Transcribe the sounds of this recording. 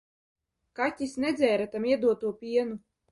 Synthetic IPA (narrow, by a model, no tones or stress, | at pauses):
katʲːisnɛd̪zʲɛːɾat̪amiɛd̪uɔt̪uɔpʲiɛnu